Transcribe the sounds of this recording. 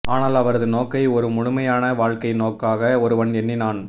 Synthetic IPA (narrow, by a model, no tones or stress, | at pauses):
aːnaːlɐʋɐɾɐðɯnoːkːɐɪɔɾɯmʊɻʊmɐjaːnɐʋaːɻkɐɪnoːkːaːɣɐɔɾɯʋɐɳɛnːinaːn